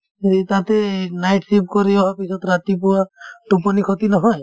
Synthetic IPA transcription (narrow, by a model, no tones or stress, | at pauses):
et̪at̪enajʈsip̚kɔɾiɔɦapisɔt̪ɾat̪ipuwaʈupɔnikʰɔt̪inɔɦɔj